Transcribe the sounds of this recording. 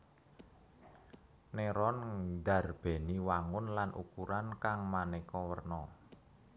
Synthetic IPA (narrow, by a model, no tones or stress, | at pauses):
neɾɔnd̪ä̤rb̥e̤niwaŋʊnlanʔṵkuɾankaŋmanekɔwərnɔ